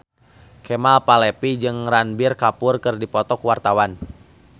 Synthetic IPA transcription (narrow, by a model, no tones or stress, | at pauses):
kɛmalpalɛpid͡ʒɨŋranbirkapʊrkɨrdipɔt̪ɔkuwart̪awan